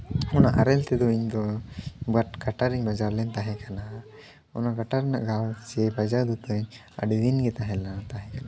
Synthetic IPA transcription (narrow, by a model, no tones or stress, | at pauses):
ɔnaʔaɾɛlt̪ɛd̪ɔiɲd̪ɔbatɡaʈaɾiɲbad͡ʒaɾlɛnt̪aɦɛkana | ɔnaɡaʈaɾɛna̰ʔɡalt͡ʃɛbad͡ʒaɾd̪ut̪ɔɲ | a̰ɖiwinɡɛt̪aɦɛlanat̪aɦɛ̃kana